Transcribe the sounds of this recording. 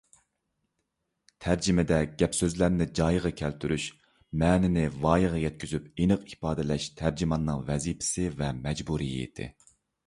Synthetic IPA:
t̪ʰæɾd͡ʒimɪd̪ɛɡ̥ʲɛpsøzlæɾnɪd͡ʒɑjʁɑkʲʰælt̪ʰyɾyʃ | mɛːnɪnɪvɑːjəʁɑjɛt̪̚kʲyzypenɨqipɑːd̪ɪlɛʃt̪ʰæɾd͡ʒimɑnːɨŋvɛzipʰɪ̥sɪvɛmɛd͡ʒbuɾijḭḛd̪ʰɪ̰

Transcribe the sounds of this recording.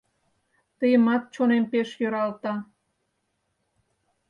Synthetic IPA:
t̪əjəmɑt̪̚t͡ɕonempeʃjøɾɑlt̪ɑ

